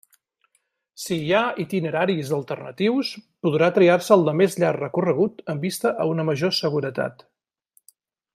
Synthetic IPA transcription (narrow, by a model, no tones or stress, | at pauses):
siait̪inəɾaɾizəlˠt̪ərnə̰t̪iwspuðɾat̪ɾiarsəːlˠd̪əmezʎarrəkurəɣ̞ut̪əmbist̪əʔəunəməʒosəɣuɾət̪a̰t̪